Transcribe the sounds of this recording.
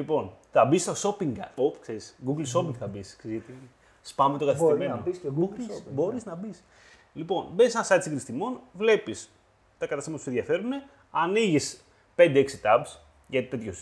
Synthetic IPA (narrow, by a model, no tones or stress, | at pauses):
lipo̞nθɐbist̪o̞so̞piŋɡokseɾisɡuɡlso̞piŋɡθɐbisksezʝɐt̪i | spɐmet̪okɐθisteɾmenoosɡuɾisbo̞ɾiznɐbis | lipo̞nbensenɐsɐt̪siŋɡɾist̪imo̞nvle̞pis | t̪ɐkɐt̪ɐsimɐpusenðʝɐfe̞ɾune̞ | ɐniʝis | pe̞nd̪eeksit̪ɐbs | ʝɐt̪it̪e̞t̪ços